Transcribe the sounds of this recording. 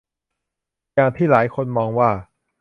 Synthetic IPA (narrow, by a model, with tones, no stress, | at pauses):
jaː˧ŋt̪ʰiː˥˩laː˩˦jkʰo˧nmɔː˧ŋwaː˥˩